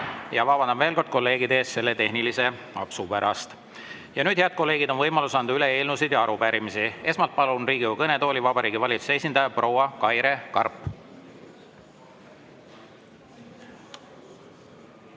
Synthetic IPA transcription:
jɑvɑbɑnd̪ɑbveːlko̞rd̪̚ko̞lːe̞ːɡid̪e̞ːst̪se̞lːet̪e̞hnilise̞ | ɑpsupæɾɑst̪ | jɑnyːd̪̥heɑd̪̚ko̞lːe̞ːɡ̥id̪o̞nvɤjmɑlusɑnd̪̥yle̞eːlnusid̪jɑɑɾupæɾimisie̞smɑlt̪̚pɑlunriːɡ̥iukɤne̞t̪o̞ːlʲivɑbɑɾiːɡ̥ivɑlʲit̪su̥sees̬ʲind̪ɑjɑpro̞wɑkɑjɾe̞kɑrpːˑ

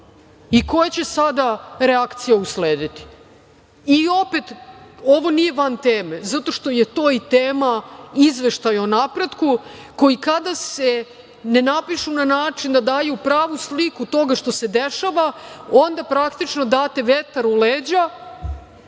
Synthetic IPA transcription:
iko̞jat͡ɕe̞sad̪aɾeakt̪sijausleːd̪it̪i̥ | io̞pet̪o̞ʋo̞nije̞ʋant̪eːmezat̪o̞ʃt̪o̞je̞t̪o̞ːit̪eːmaizʋe̞ʃt̪ajonapɾe̞d̪ku | ko̞jikad̪ase | nenapiʃunanaːt͡ʃind̪ad̪aːjupɾaːʋuslikut̪o̞ɡaʃt̪o̞se̞d̪eʃaʋao̞nd̪apɾakt̪it͡ʃno̞d̪aːt̪e̞ʋet̪aɾuleːd͡ʑa

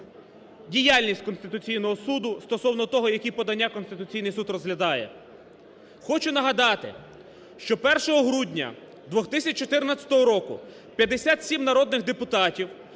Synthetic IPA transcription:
dʲijalʲnʲisʲt̚ʲkɔnst̪ɪt̪ʊt͡sʲijnɔɦɔsud̪ʊst̪ɔsɔwnɔt̪ɔɦɔjɐkʲipɔd̪ɐnʲːakɔnst̪ɪt̪ʊt͡sʲijnɪjsud̪rɔzɦlʲɐd̪ɑjɛ | xɔt͡ʃʊnɐɦɐd̪ɑt̪ɪ̰ | ʃt͡ʃɔpɛrʃɔɦɔɦɾudʲnʲɐ̰ | d̪ʋɔxt̪ɪsʲɐt͡ʃt͡ʃːɔt̪ɪrnat͡sʲɐ̥t̪ɔɦɔɾɔkʊ | pʲjɐd̪esʲat̪sʲimnɐɾɔd̪nɪxd̪epʊt̪ɑtʲiw

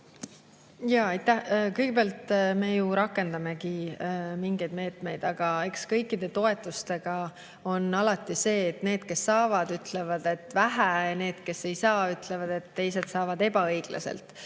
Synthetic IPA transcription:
jɑːɑjt̪ːæhkɯjɡ̥e̞beɑlt̪me̞juɾɑkːˑe̞nd̪̥ɑme̞kimiŋɡ̥e̞jd̪̥me̞ːt̪me̞jd̪̥ɑɡ̥ɑe̞kskɤjkːˑid̪̥e̞t̪o̞e̞t̪ːˑust̪e̞ɡ̥ɑ | o̞nɑlɑt̪ːˑise̞ːt̪ne̞ːd̪̥ke̞sːɑːvɑd̪yt̪le̞vɑd̪e̞t̪ːvæɦæne̞ːd̪̥ke̞se̞jsɑːyt̪ˑle̞vɑd̪̥e̞t̪ːe̞jse̞d̪sɑːvɑd̪e̞b̥ɑɤjɡ̥lɑ̰sḛlt̪ˑ

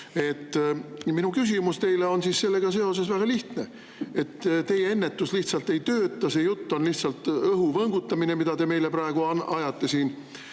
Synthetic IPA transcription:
e̞t̪ːminukys̬ʲimust̪e̞jle̞o̞nsiːsse̞lːe̞ɡ̥ɑs̬e̞o̞s̬e̞svæɡ̥ɑliht̪ne̞ | e̞t̪ːt̪e̞jee̞nːe̞t̪ːˑusliht̪sɑlt̪ːe̞jt̪ø̞ːt̪ːˑɑse̞jut̪ːo̞nliht̪sɑlt̪ˑɤɦuvɤŋɡut̪ːɑmine̞mid̪̥ɑt̪e̞me̞jle̞pɾɑeɡ̥uɑnɑjɑt̪ːe̞siːn

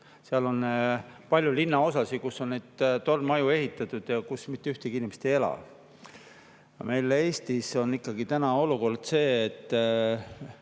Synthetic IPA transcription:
seɑlo̞npɑlʲjulinːɑo̞sɑsikusːo̞nned̪̥t̪o̞rmɑjue̞ɦit̪ːˑɑt̪ːˑud̪̥jɑkusmit̪ːyht̪eɡiinʲimest̪ejelɑ̰v | jɑ̰me̞jlee̞ːst̪iso̞nːikːɑɡit̪ænɑo̞luko̞rd̪̥se̞ːt̪ːˑ

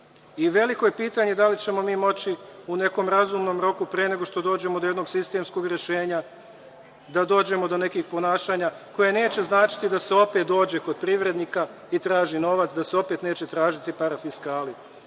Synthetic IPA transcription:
iʋe̞liko̞jepiːt̪aɲe̞d̪alit͡ɕe̞mo̞miːmo̞t͡ɕiune̞ko̞mɾazumno̞mɾo̞kupɾeene̞ɡo̞ʃt̪o̞d̪oːd͡ʑe̞mo̞d̪ojeno̞ɡsist̪e̞msko̞ɡɾe̞ʃe̞ːɲa | d̪ad̪o̞ːd͡ʑe̞mo̞d̪o̞ne̞kiːxpo̞naːʃaːɲako̞je̞ne̞ːt͡ɕe̞znaːt͡ʃi̥t̪id̪ase̞o̞pe̞t̪̚d̪o̞ːd͡ʑe̞ko̞d̪̚pɾiʋɾe̞d̪nika | it̪ɾaːʒino̞ʋat̪sd̪aseo̞pet̪ne̞ːt͡ɕe̞t̪ɾaːʒit̪ipaɾafiskaːli

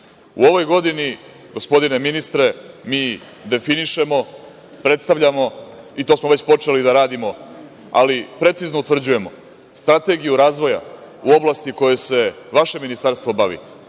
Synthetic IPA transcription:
ṵo̞ʋo̞jɡo̞d̪ini | ɡo̞spo̞d̪ine̞minist̪ɾe̞miː | d̪e̞finiʃe̞mo̞ | pɾe̞t̪st̪aʋʎʲamo̞ | it̪o̞ːsmo̞ʋe̞t͡ɕpo̞t͡ʂe̞lid̪aɾaːd̪imo̞ | a̰lipɾe̞t̪siznout̪ʋr̩d͡ʑuje̞mo̞̰ | st̪ɾat̪e̞ɡijuɾaːzʋo̞ja̰ | uo̞blˠast̪iko̞jese̞ʋaʃe̞minist̪aɾst̪ʋo̞baʋḭ

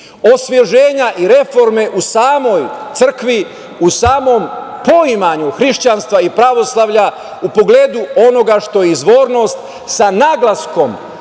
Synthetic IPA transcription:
o̞sʋje̞ʒeːɲaʔiɾe̞fo̞ɾme̞ʔusaːmo̞jt̪sr̩kʋi | usaːmo̞mpo̞imaɲuxɾiʃt͡ɕanst̪ʋaipɾaʋo̞slˠaʋʎa | upo̞ɡle̞ːd̪uo̞no̞ɡaʃt̪o̞jeizʋoːɾno̞st̪ | sanaɡlˠasko̞m

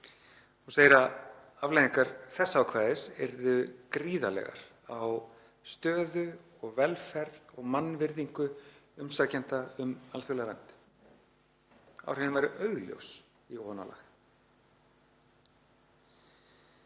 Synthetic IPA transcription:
ɔɣseːjɾa | avlejðiŋkaɾθɛsːaaːwkʰvaːðɪsɛɾðʏkɾiːða̰lɛ̰ɣa̰ɾ̥ | aw | st̪œːðʏ | ɔɣvɛlfɛɾðɔɣmanːvɪɾðiŋkʏʏmsaːcɛnt̪aʏmalθʏlɛɣaɾa̰nt̪ | a̰wr̥ɛnʏmvɛɾʏʔœɥɣljo̰ws | iɔna̰la̰x

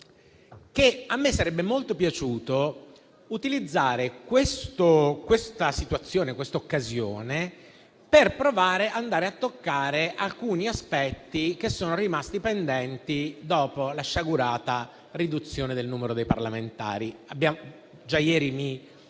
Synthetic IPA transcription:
keamːesːaɾɛbːemolt̪opjat͡ʃuːt̪o | ut̪ilid̪zːaːɾekwest̪okwest̪asit̪wat̪sːjoːnekwest̪aokːazjo̰ːne | perpɾovaːɾeʔand̪aːɾeat̪ːokːaːɾeʔalkuːniaspɛt̪ːik̟esːoːnoɾimast̪ipend̪ɛnt̪id̪ɔːpolaʃːaɡuɾaːt̪a | rid̪ut̪sːjoːned̪elnuːmeɾod̪ejpa̰rlament̪a̰ːɾiabːjam | d͡ʒajɛːɾimi

